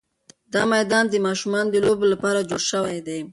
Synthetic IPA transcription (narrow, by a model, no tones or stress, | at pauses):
d̪ɑmajd̪ɑnd̪əmɑʃumɑnod̪əlobelapɑɾad͡ʒoɽʃəwajd̪e